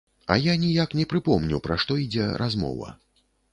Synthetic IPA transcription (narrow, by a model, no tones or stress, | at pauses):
a̰janʲijaknʲɛpɾɨpɔmnʲupɾaʂt̪ɔid͡zʲɛɾazmɔ̰vɐ̰